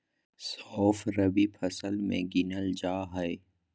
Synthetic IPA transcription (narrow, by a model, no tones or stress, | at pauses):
sɔːfɾɐbipʰɐsəlmḛ̃ɡinəld͡ʒaːɦɛe